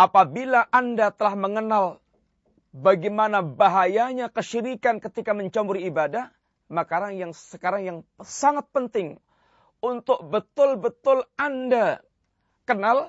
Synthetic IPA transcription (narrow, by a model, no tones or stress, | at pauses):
ʔapabilaʔandat̪əlahməŋənal | baɡimanabaɦajaɲakəʃiɾikankət̪ikaməɲt͡ʃamuɾiibadah | makaɾaŋjaŋsəkaɾaŋjaŋsaŋat̪̚pənt̪ɪŋ | unt̪ʊk̚bət̪ʊlbət̪ʊlanda | kənal